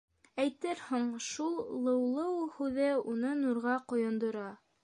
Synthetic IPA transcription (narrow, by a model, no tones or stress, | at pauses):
æjt̪ɘɾhuɴʃulˠlˠɤ̆wlˠɤwhʉðɘunɤnuɾʁɑqŏjŏnd̪ŏɾɑ